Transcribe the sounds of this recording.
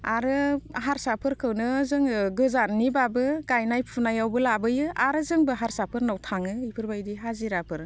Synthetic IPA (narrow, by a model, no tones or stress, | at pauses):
aɾɯɦaɾsapʰɯɾkʰɯwnɯzɯŋɡɯzanibabɯɡajnajpʰunajawbɯlabɯjɯaɾɯzɯŋbɯɦaɾsapʰɯɾnawtʰaŋɯipʰɯɾbajdiɦaziɾapʰɯɾ